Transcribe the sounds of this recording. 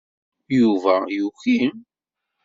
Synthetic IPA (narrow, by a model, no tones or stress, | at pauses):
juvæjuçim